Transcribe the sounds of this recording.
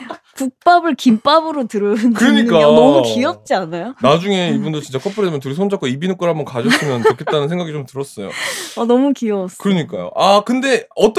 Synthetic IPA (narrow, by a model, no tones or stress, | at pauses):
puk̚p͈abɯɭkimp͈abɯɾotɯɾɯnkɯɾʌɲink͈aonʌmukiʌp̚t͡ɕ͈ianajonad͡ʑuŋe̞ibundot͡ɕint͡ɕ͈akʰʌpʰɯɾedemʌntuɾisʰond͡ʑak͈oibinok͈ɯɭhambʌnkad͡ʑʌs͈ʰɯmjʌnkɯokʰet͈anɯnsʰeŋɡaɡit͡ɕomtɯɾʌs͈ʌjo̰ʌnʌmukiʌs͈kɯɾʌɲik͈ajo̰ʔakɯnde̞ʌt͈